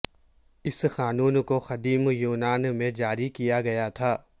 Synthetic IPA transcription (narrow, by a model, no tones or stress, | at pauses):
ɪsxaːnuːnkoxɐd̪iːmjuːnaːnmẽd͡ʒaːɾikijaɡɐjat̪ʰaː